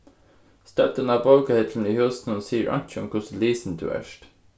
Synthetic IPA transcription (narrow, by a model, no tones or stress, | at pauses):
st̪œt̪ənɑːboʊkahɪt̪ʰln̩iːhʉːsn̩ənsiːəʔɑ̰n̥t͡ʃəʊ̰mkʰʊsliːsn̩t̪ʰʉ̰ːæ̰ʃt